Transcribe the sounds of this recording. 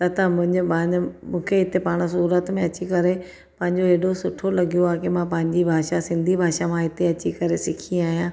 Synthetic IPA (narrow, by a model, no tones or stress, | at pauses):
t̪ɐt̪ɐmʊ̃ɦɪ̃ɲd͡ʑʊpɐ̃mũːkʰeɪt̪epaːɽ̃s̬uːɾət̪mẽɐt͡ɕikɐɾe | pɐ̃ɦɪ̃ɲd͡ʑoeːɗosʊʈʰolɐɡijoaːkimãpɐ̃ɦɪ̃ɲd͡ʑibʱaːʃasɪ̃nd̪ʱibʱaːʃamãɪt̪eɐt͡ɕikɐɾesɪkʰĩaːɦijãː